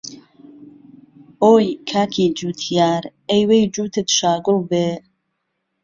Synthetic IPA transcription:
oːjkʰaːkʰid͡ʒuːt̪ʰijaːɾejwejd͡ʒuːt̪ʰɨt̪ʃaːɡʊlbe

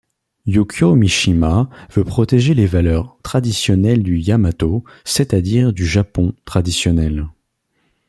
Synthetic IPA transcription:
jukʰjomiʃimavøpχɔt̪eʒelevalœʁt̪χad̪isjɔnɛld̪yjamat̪o | set̪ad̪iʁd̪yʒapɔ̃t̪χad̪isjɔnɛl

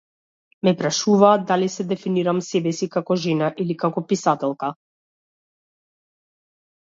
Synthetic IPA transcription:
mɛpɾaʃuvaːd̪̚d̪alisɛd̪ɛfiniɾamsɛbɛsikakɔʒɛnaʔilikakɔpisat̪ɛlˠka

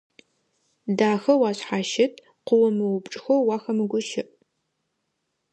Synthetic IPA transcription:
daːxɐwɑːɕħaːʃɪtʰ | qʷʊwɐmɨwʊbʈ͡ʂʼxowwɑːxɐmɨɡʷʊʃɪʔ

